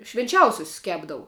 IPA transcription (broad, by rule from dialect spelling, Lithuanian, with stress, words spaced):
ʃʲʋʲɪnʲˈt͡ʃʲɛʊsʲʊsʲʊs ˈkʲæːbdɐʋʊ